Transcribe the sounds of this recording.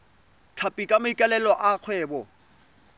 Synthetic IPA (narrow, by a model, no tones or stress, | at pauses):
t͡ɬʰapʼikʼamʊikʼalɛlɔʔaq͡χʰwɛːbɔ